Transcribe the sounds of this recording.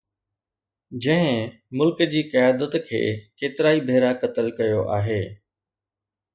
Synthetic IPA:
d͡ʑɐ̃ɦɪ̃ | mʊlkəd͡ʑiːkɐjaːd̪ət̪kʰḛːkeːt̪ɪɾaːibʱeːɾakɐt̪əlkɐjoʔa̰ːɦeː

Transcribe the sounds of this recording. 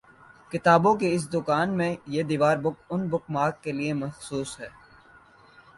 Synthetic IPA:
kɪt̪aːbõkeɪs̬d̪ʊkaːnmẽjed̪iːʋaːɾbʊkʊnbʊkmaːkːeliemɐxsuːsɦɛː

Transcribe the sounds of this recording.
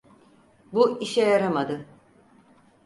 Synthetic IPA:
buiʃɛjaɾamad̪ɯ

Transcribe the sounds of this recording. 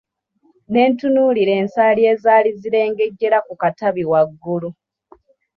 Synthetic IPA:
ne̞ːntunuːliɾe̞ːnsaːlie̞ːzaːliziɾe̞ːŋɡe̞ɟːe̞ɾakukataβiwaɡːulu

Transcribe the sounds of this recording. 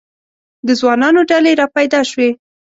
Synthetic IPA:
d̪əzwɑnɑnoɖaleɾɑpajd̪ɑʃwe

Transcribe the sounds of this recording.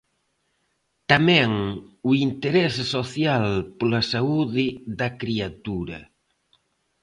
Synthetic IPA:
t̪amɛ̃ŋuint̪eɾɛssoθjalpolɐsauðɪðɐkɾiat̪uɾɐ

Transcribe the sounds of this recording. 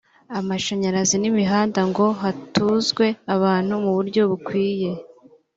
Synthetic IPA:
amaʃaɲaɾazinimiɦaːndaŋɡo̞ɦatuzɡwe̞aβaːn̥humuβuɾɟo̞βukwiːje̞

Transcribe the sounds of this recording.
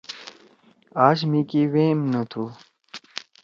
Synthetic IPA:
aːɕ̬mĩːkiːweːmnət̪ʰuː

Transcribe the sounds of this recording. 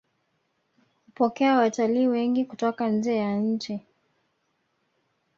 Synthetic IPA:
hupɔkɛawataliːwɛŋɡikutɔkanzɛːjanɲ̩t͡ʃi

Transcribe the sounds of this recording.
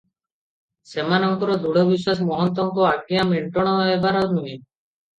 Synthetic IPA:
semanɔŋkɔɾɔd̪uɽɔbiswasmɔɦɔnt̪ɔŋkɔaɡiameɳʈɔɽ̃ɔɦɔebaɾɔwnui

